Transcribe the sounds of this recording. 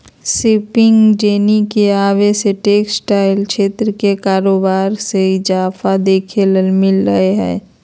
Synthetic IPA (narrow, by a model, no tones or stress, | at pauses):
sɪpɪŋɡd͡ʒeːnikeaːʋeseʈeːksʈaːɪlʃʰeːt̪ɾəkekaːɾoːbaːɾseɪd͡ʒaːfʰad̪eːkʰeləlmɪlɾəeɦɛ̰ː